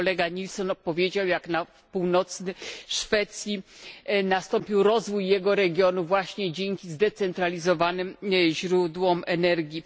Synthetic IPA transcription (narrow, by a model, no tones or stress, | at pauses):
ɔlɛɡaɲilsɔnpɔvʲjed͡ʑawjaknafpuwnɔt̪snɘʂfɛt̪sʲjinast̪ɔmpʲiwɾɔzvujːɛɡɔɾɛɡʲjɔnuvwaɕɲɛd͡ʑeŋkʲizd̪ɛt̪sɛnt̪ɾalʲizɔvanɘmʑɾud̪wɔmɛnɛɾɡʲi